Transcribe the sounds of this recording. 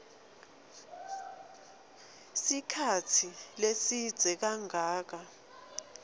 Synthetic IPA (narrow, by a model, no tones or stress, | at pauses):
sikʰatʰilesid̥z̥ʱɛk̬aŋaːk̬a